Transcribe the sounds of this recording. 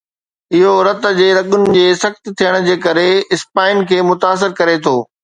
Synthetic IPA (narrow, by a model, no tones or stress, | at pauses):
ɪɦoɾɐt̪̆d͡ʑeːɾɐɠʊnɪ̆d͡ʑeːsɐxt̪t̪ʰijəɽ̃d͡ʑeːkɐɾeɪspaːɪn̆kʰeːmʊt̪aːs̬ɪɾkɐɾet̪ʰoː